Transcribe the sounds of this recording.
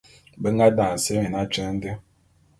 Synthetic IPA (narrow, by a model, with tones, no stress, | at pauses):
be˦ŋɡa˦da˨n̩˨se˦mi˨na˦t͡ʃə˦n̩˦de˦